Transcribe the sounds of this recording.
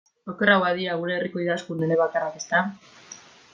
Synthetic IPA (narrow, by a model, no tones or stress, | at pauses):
okerawaðiaɣ̞uɾe̞ːriko̞iðaskund̪ueɾeβakarake̞st̪a